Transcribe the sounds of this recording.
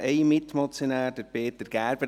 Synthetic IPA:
ʔeɪmɪt̪mɔt͡sjonæːɾd̥əɾpeːt̪əɾɡ̥æːɾbə

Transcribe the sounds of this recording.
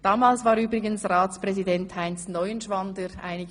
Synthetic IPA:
d̥aːmaːlsvaːɾyːbʁɪɡənsraːt͡spʁ̥ɛzidɛnthaɪnsnɔʏənʃvandəɾʔa̰ɪnɪɡə

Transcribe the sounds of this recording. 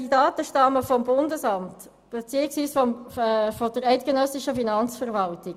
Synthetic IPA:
didɑːt̪əʃtɑməfɔmbʊndəsɑmt | b̥et͡siəksʋiːsfɔfɔd̥əɾɛɪtɡ̥enœsiʃəfinɑnt͡sfəʁvɑlti

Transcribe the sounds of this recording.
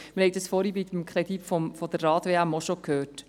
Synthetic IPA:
mɪɾhɛɪd̥̪ɑsfɔɾibid̪mkʰχɾed̪ipfɔfɔd̪əɾːɑːtʋeːæmːɔʃokʰhøːrt

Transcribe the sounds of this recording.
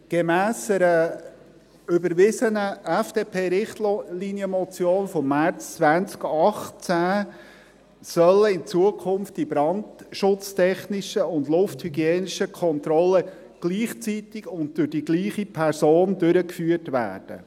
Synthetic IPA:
ɡ̥emæːsəɾə | ʏbəɾʋɪsənəɛfd̥eːpʰeːɾɪχtlinjəmɔt͡sjoːnfɔmːæɾt͡st͡sʋænt͡skɑχt͡sæ | sœləɪnt͡suəkʰʊmftibɾɑndʃʊt͡stʰɛχnɪʃəʊndlʊfthyɡiɛːniʃəkʰɔntɾɔlːə | ɡ̥liːχt͡sit̪ɪɡʊnt̚d̥ʊɾd̥iɡliːχipʰɛɾsoːndʉɾəkfyːətʋæ̰ːrd̥ə̰

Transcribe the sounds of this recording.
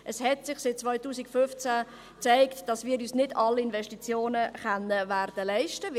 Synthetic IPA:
ʔəshɛtsɪχsɪt̚t͡svɔʏtuːsikfʏft͡sæ | t͡sɛɪktd̥ɑsmɪːɾyːsnɪdɑlɪnvɛʃtit͡sjoːnəχɛnəværd̥əlɛɪʃtə

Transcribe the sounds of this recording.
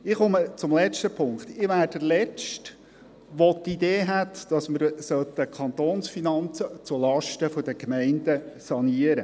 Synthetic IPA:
ɪχɔmət͡sʊmlɛt͡ʃtəpʰʊŋkχt̪ɪʋæːrdəlɛt͡ʃt | ʋot̪id̪eːɦæt̪d̥ɑsməɾsœlt̪əkʰɑnt̪oːnsfinɑnt͡sət͡sulɑʃtəfoɔd̥əkmɛɪndəsɑniəɾə

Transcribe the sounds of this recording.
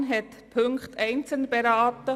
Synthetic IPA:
nɦɛt̪ | pʰʏŋktæɪnt͡səl̩nbɛɾaːtə

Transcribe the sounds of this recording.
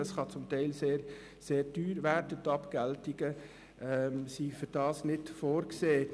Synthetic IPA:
əsχɑt͡sʊmtɛɪlseːɾ | seːɾdyːɾʋæɾdətɑpkæltɪɡ̥ə | ʔɛmsifʏɾdɑːsnɪtfoːɾkseː

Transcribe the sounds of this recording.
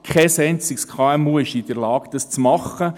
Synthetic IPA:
kʰɛsɛɪnt͡sɪkskʰɑɛmuəʃid̥əɾlɑːɡ̥d̥̪ɑst͡smɑχə

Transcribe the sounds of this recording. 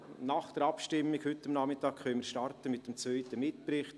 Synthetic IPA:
naχd̥əɾɑpʃtɪmːiɡhʏtːamnɑmɪtɑːkχœnmɪɾʃtɑɾtəmɪt̚d̥emt͡svœʏtəmɪtpɾɪχt

